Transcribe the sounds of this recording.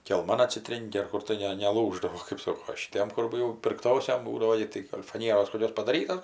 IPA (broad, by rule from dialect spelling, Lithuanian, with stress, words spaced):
kʲɛlˠˈmɐn ɐtʲsʲɪˈtʲrʲeːŋʲkʲɪ ɐr ˈkʊr tɐɪ ˈnʲɛ nʲɛˈlˠuːʒdɐʋoː kɜp ˈsoːkoː oː ʃʲɪˈtʲiɛm kʊr ˈjɛʊ pʲɪrkˈtoːsʲoːm ˈbuːdɐʋoː ɪ tɐɪ ɡɐlʲ fɐˈnʲiɛroːs koːˈkʲoːs pɐdɐˈrʲiːtɐ